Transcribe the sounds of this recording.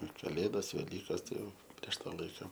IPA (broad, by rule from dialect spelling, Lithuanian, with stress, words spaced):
ɪr kɐˈlʲeːdɐs ʋʲɛˈlʲiːkɐs tɐɪ ˈjɛʊ ˈpʲrʲiɛʃ ˈtɑː ˈlˠɐɪkɐ